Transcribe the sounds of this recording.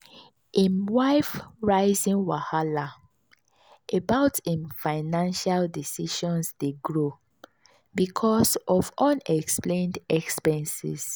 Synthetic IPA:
ĩnwaɪfɹaɪzĩnwahala | ʔebaʊtĩnfaɪnãnʃaldisiʃɔ̃nsdeɡɹo | bikʰɔsɔfɔ̃nɛksplẽndɛkspɛ̃nsḭs

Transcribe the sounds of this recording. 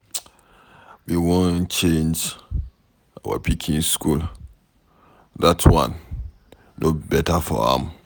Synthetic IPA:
wiwõnt͡ʃẽnd͡ʒ | ʔawa̰pʰikʰĩŋskul | datʰwã̰nː | ʔobɛtafɔ̰ã̰m

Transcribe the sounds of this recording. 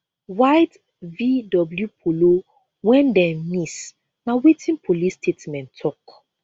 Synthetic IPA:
wajt | vidɔbljupʰolo | wɛ̃ndɛ̃mis | nawetʰĩnpʰolistʰetmɛ̃ntʰːɔk

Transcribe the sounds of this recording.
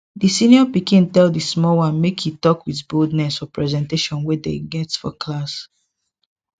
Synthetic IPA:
disĩnjɔpikĩntɛldismɔwãnmekhitɔkwiθbodnɛsfɔpɹɛzɛ̃nteʃɔ̃nwedeɡɛtsfɔkʰlas

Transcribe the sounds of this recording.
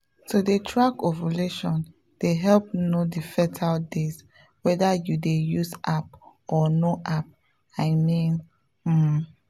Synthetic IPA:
tʰudetʰɹakɔvəleʃɔ̃n | d̥eɦɛlp̚nodifɛtʰaldes | wɛdajudejuzap̚ | ɔnoʔap̚ | aɪmĩn̩

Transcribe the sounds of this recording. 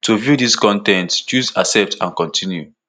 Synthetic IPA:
tuvjudiskɔ̃ntɛ̃ntt͡ʃuzasɛp̚tʰã̰nkɔ̃ntʰĩnju

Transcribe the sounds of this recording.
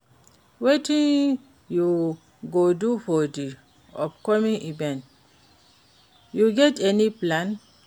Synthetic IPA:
wetĩn | ju | ɡodufɔdi | ɔ̰pkɔmĩnʔibɛ̃n | juɡɛtɛniplãn

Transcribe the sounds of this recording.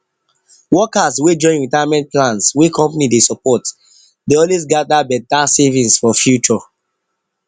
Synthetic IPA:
wɔkaswed͡ʒɔ̃ɪ̃nɹitaamɛ̃nt̚plãnswekʰɔ̃mpanidesɔpɔt | deɔlwesɡadabɛtasevĩnsfɔfjut͡ʃɔ

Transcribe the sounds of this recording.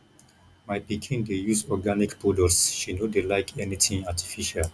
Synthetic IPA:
majpikʰĩndejusɔɡanikpʰudəsʃinodelaɪkʰɛnitʰĩŋatʰi̥fiʃal

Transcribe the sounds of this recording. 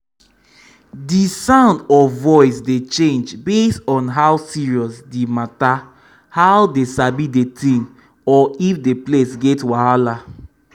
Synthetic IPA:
disãʊ̃ndɔvɔɪsdet͡ʃẽnd͡ʒbesɔ̃nɦawsiɹiɔsdemata | haʊdesabidetĩn | ɔifdeplesɡɛtwaala

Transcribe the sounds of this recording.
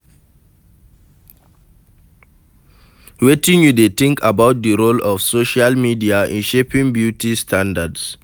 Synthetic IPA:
wetĩŋjudet̪ĩŋkʰabaʊt̚dəɾolɔfsoʃalmidiaḭ̃nʃepĩŋbjutistʰãndads

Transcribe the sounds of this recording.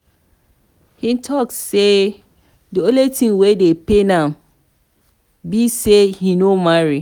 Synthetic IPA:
hĩntʰɔk̚tse | dioletʰĩŋwedepenãm | bisehinomaɹi

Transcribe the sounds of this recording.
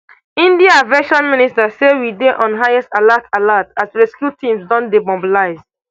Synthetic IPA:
ĩndiavɛʃɔ̃nmĩnistasewideʔɔ̃nɦajɛstalatʰalatasleskjutĩmsdɔ̃ndebɔ̃mbəlaɪz

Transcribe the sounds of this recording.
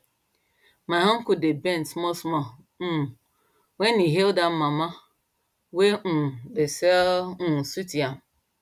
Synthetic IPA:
maɦãŋ̩kudebentmɔsmɔ | wenːiɦeldamama | webesesutiam

